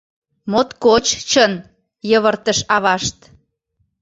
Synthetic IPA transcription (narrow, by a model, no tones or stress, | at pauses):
mot̪kot͡ɕt͡ɕən | jəβərt̪əʃɑβɑʃt̪